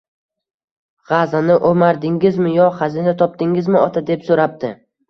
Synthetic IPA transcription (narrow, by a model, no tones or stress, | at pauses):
ʁazanɪʔomaɾd̪ɪŋʲɪzmɪjɒχazinat̪ʰɒp̚d̪ɪŋɪzmɪɒt̪ʰad̪e̞psoɾap̚d̪ɪ